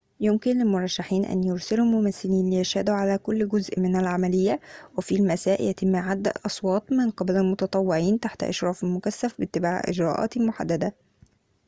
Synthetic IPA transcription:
jʊmkɪnlɪlmʊɾˤɑʃːaħiːnʔæ̰njʊɾsɪlumʊmæθːɪliːnlɪjæʃhæd̪uʕalæːkʊlːɡʊzʔmɪnælʕamælɪjːæwɪfilmæsæːʔjʔæt̪ɪmːaʕad̪ːæ̰ʔʔɑsˤwɑːt̪ˤmɪnqɪbælɪlmʊt̪ɑt̪ˤɑwːɪʕiːnt̪aħt̪ʔɑ̰ʃɾˤɑːfɪlmʊkæsːæfbɪt̪ːɪbaːʕʔɪ̰d͡ʒɾˤɑ̰ːʔɑ̰ːt̪lmʊħa̰d̪ːæd̪æ

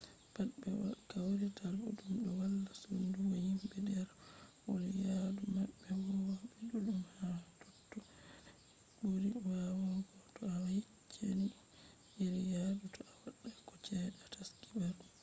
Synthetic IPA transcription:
patɓɛwa̰kawɾitʰaluɗumɗɔwalːasunduɡɔhimbɛdɛɾwolijadumaɓːɛwɔwaɓɛduɗumhatɔtːɔ | ɓoɾiwawaɡɔtɔawahit͡ʃʰːeni | iɾijadutɔawaɗːakɔt͡ʃɛɗataskibaɾu

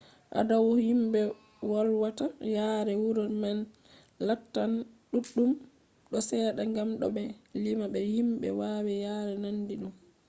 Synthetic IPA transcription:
ʔa̰dawɔhimɓɛ | wɔlwatajaːɾɛwuɾɔman | latːanɗuɗːum | ɗɔsɛːɗaŋɡamɗɔ̰ɓɛlimaɓɛhimɓɛ̰wawɛjaːɾɛnandiɗum

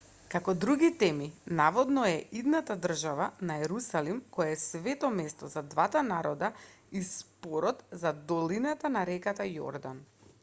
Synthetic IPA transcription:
kakɔd̪ɾuɡit̪ɛminavɔd̪nɔɛʔid̪nat̪ad̪r̩ʒavanaɛɾusalimkɔjaɛsvɛt̪ɔmɛst̪ɔzad̪vat̪anaɾɔd̪a | ispɔɾɔt̪zad̪ɔlinat̪anaɾɛkat̪ajɔ̰ɾd̪an

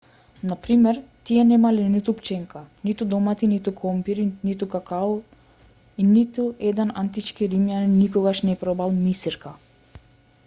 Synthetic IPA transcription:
napɾimɛɾt̪iɛnɛmalinit̪upt͡ʃɛŋkanit̪ud̪ɔmat̪init̪ukʰɔmpiɾinit̪ukakau | init̪uɛd̪ɛna̰nt̪it͡ʃkiɾimjaninikɔɡaʃnɛpɾɔbalˠmisiɾka

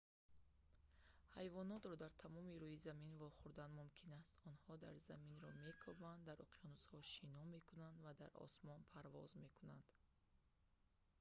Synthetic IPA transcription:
hajvɔnɔt̪ɾɔd̪aɾt̪ʰamɔmiɾuhizaminvɔχuɾd̪anmumkʰinast̪ɔnhɔd̪aɾzaminɾɔme̞kʰɔband̪ːaɾʔɔqʰijɔnuzhɔʃinɔme̞kunand̪vad̪aɾɔ̰smɔnpʰaɾvɔzme̞kunand̪̥

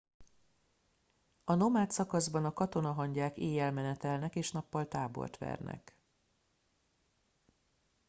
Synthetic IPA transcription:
ɒno̞maːt̪sɒkɒzbɒnɒkɒt̪o̞nɒɦɒɲɟaːkeːjɛlmɛnɛt̪ɛlnɛkeːʃnɒpːɒlt̪aːbo̞̰rt̪ʋɛ̰rnɛ̰k

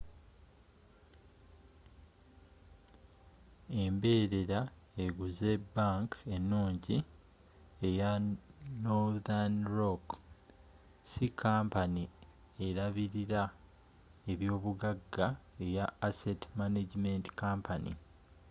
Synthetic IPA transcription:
e̞mbe̞ːɾe̞ɾaeɡuze̞baŋke̞nːuːɲɟi | ejanoðanɾok | sikʰaːmpani | eɾaβiɾiɾa | e̞βjo̞ːβuɡaɡːae̞jaːsetmaneɟime̞ntkaːmpʰanḭ

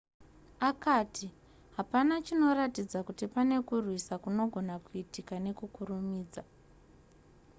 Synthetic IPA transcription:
akaːtʰi | ɦapanat͡ʃino̞ratid͡zakutipane̞kurwisakuno̞ɡʱo̞nakuitikane̞kukuɾumiːd͡za

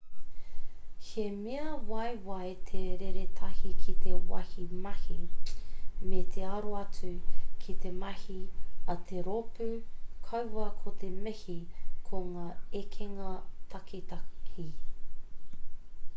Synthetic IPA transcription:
hemeɐwɐjwɐjt̪ʰeɾeɾet̪ʰɐhikʰit̪ʰeowɐ̰himɐhi | met̪ʰeɐɾoɐt͡sʉkʰit̪emɐhiɐt̪ʰeɾopʉkʰɐwwɐkʰot̪ʰemehikʰoŋaːekʰeŋɐt̪ʰɐkʰit̪ɐhi

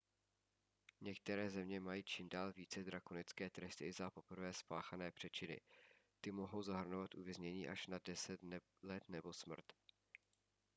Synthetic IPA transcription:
ɲɛk̚t̪ɛɾɛːzɛmɲɛmajiːt͡ʃɪmdaːlviːt͡sɛd̪ɾakonɪt͡skɛːt̪ɾɛst̪ɪzapo̞pr̩vɛːspaːxanɛːpr̥ɛt͡ʃɪnɪ̰t̪ɪmo̞ɦo̞wzaɦr̩novat̪ʔuvjɛzɲɛɲiːʔaʃnadɛsɛt̪ | lɛt̪nɛbo̞smr̩t̪

